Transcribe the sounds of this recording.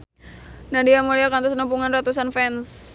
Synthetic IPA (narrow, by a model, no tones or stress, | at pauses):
nahdiamuliakant̪usnəmpuŋanrat̪usanfɛns